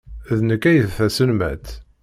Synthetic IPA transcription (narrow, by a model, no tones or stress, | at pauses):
ðnəkːæjəðθæsənmæ̰t̪